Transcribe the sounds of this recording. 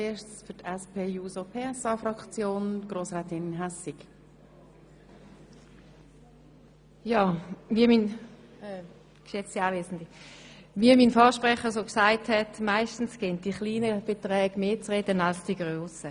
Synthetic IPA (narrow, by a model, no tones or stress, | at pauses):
eːʃsfʏtɛspʰeːjuːsopʰeːɛsɑːfɾɑkt͡sjoːnɡ̥ʁoːsʁɛːtɪnɦɛsɪk | jaːviəmin | kʃɛt͡siaːvʋeːzn̩diviəminfɔːʃpʁɛχəʁsoːksaɪthɛtmaɪstn̩sɡ̥ent̚d̥iχliːnəb̥ɛtʁɛːɡ̥meːt͡sʁɛdənalsd̥iɡʁøːsə